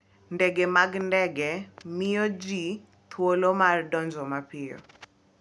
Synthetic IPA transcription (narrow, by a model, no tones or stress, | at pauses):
ndɛɡemaɡndɛɡɛmɪjod͡ʒi | t̪ʰwolomardɔnd͡ʒɔmapɪjɔ̰